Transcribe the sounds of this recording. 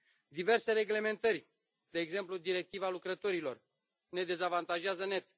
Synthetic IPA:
d̪ive̞rse̞ɾe̞ɡle̞me̞nt̪ərʲ | d̪e̞ːɡze̞mplud̪iɾe̞k̚t̪ivalukɾət̪o̞ɾilo̞̰r | ne̞d̪e̞zavant̪aʒeazəne̞t̪

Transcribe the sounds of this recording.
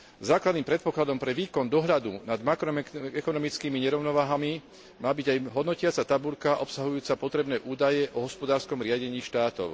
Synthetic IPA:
zaːklad̪niːmpɾɛt̪̚pɔklad̪ɔmpɾɛʋiːkɔnd̪ɔɦʎad̪unad̪makɾɔmɛkɔnɔmit͡skiːmiɲɛɾɔʊnɔʋaːɦami | maːbiɟajɦɔd̪nɔcɪat͡sat̪abuʎkaʔɔpsaɦujuːt͡sapɔt̪ɾɛbnɛːʔuːd̪ajɛʔɔɦɔspɔd̪aːɾskɔmɾɪaɟɛɲiːʃt̪aːt̪ɔ̰ʊ

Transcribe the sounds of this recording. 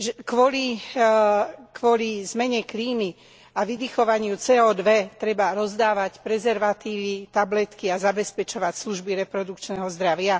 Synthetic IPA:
ʒɛkʋɔli | kʋʊɔlizmɛɲɛkliːmi | aʋid̪ixɔʋaɲɪut͡sɛːɔd̪ʋɛt̪ɾɛbaɾɔzd̪aːʋacpɾɛzɛɾʋat̪iːʋit̪ablɛt̪kiazabɛspɛt͡ʃɔʋacsluʒbiɾɛpɾɔd̪ukt͡ʃnɛɦɔzd̪ɾaʋɪa

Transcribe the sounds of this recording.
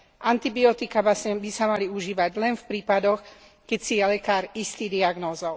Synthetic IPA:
ʔant̪ibiɔt̪ikabasɲɛbisamaliuʒiːʋaɟlɛnfpɾiːpad̪ɔx | kɛcsijɛlɛkaːɾist̪iːd̪iaɡnɔːzɔʊ

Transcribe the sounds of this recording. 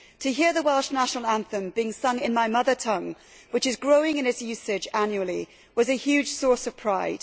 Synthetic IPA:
tʰɨɦiɹðəwalˠʃnaʃənəl̩ˠæ̃nθə̃mbiɪ̃ŋsʌ̃ŋɪ̃nmaɪmʌðə˞tʰʌ̃ŋ | wɨt͡ʃɨzɡɹoʊɪ̃ŋɨ̃nɨtsjʉˑsɪd͡ʒãnjuəlˠḭ | wʌzɨhjʉd̥ʒ̥sɔɹsʌv̥pʰɹ̥aɪd̥

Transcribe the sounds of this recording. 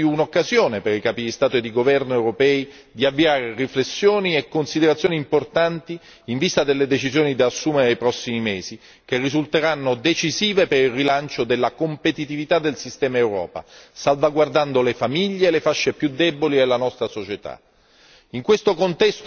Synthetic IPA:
unokːazjoːnepeɾikaːpid̪ist̪aːt̪oed̪iɡovɛrnoewɾopɛːi | d̪iavːiaːɾeriflesːjoːniekːonsid̪eɾat̪sjoːniːmport̪ant̪i | iɱvist̪ad̪elːed̪et͡ʃizjoːnid̪aːsːuːmeɾenejpɾɔsːimimeːzi | k̟erːizult̪eɾanːod̪et͡ʃiziːvepeɾilrilant͡ʃod̪elːakompet̪it̪ivit̪ad̪elsist̪ɛːmaewɾɔ̰ːpa̰salvaɡward̪and̪olefamiʎːeːlefaʃːepjud̪ːɛbolielːanɔst̪ɾasot͡ʃet̪a̰ | iŋkwest̪okont̪ɛst̪

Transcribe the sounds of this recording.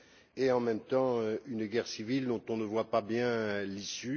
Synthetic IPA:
eɑ̃mɛmt̪ɑ̃øynɡɛʁsivild̪ɔ̃t̪ɔ̃nəvwapabjɛ̃lisy

